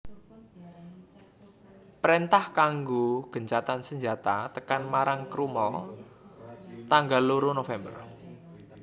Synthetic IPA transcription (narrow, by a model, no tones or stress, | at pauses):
pɾent̪ahkaŋɡoɡ̥ə̤ɲt͡ʃat̪ansəɲd͡ʒat̪at̪əkanmaɾaŋkɾumɔ̰l | t̪aŋɡalːuɾunofɛmbə̰r